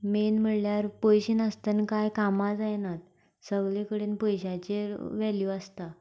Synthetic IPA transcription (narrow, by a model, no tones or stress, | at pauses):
menm̤əɽljaɾpojɕiːnəst̪ənkajkamad͡zajnat̪̚ | səɡɭekəɽeːnpojɕat͡ɕeʋɛljuast̪a